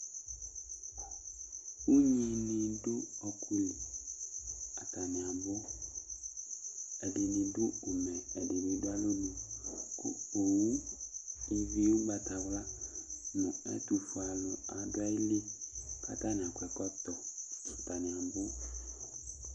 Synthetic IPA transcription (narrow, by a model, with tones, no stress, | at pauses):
u˦ɲĩ˨nĩ˨dʊ˦ɔ˨kʰu˦lɪ˨ | a˨ta˨nɪ̃˨a˨bʊ˦ | ɛ˨dɪ˨nĩ˨dʊ˦ʊ˨mɛ̃˨ɛ˨dɪ˨be˨dʊ˦a˦lo˦nu˨kʊ̰˨o˨wu˦ | i˨vi˨˦ʊ˦ba˨ta˨wla˦nʊ̃˨ɛ̰˦tu˨fʊ˨a˨lʊ˨a˨dʊ˦a˦ɪ˦lɪ˦ka̰˦˨ta˦nɪ̃˨a˨kʷɛ˨kɔ˦t̪ɔ˨ta˨nɪ̃˨a˨bʊ˦